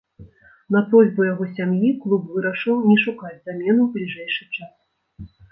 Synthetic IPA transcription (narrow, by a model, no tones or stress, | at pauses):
nɐpɾɔzʲbujaɣɔsʲamjiklˠupvɨɾɐʂɨwnʲɛʂukad͡zʲzamʲɛnublʲiʐɛjʂɨt͡ʂas